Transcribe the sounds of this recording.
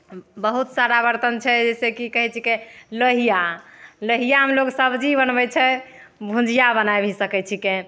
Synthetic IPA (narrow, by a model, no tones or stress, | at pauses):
bəɦut̪saɾabəɾt̪ənt͡ʃʰɛd͡ʒɛsekikəɦɛt͡ʃʰikeləɦijaləɦijaɦəmloksəbd͡ʒibənbɛt͡ʃʰɛ | bʱũd͡ʒijabənajbʱisəkɛt͡ʃʰike